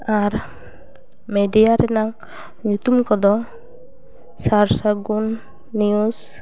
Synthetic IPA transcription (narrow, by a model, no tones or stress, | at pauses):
aɾ | medijaɾɛnaŋ | ɲut̪umkɔd̪ɔ | saɾsaɡunː | ius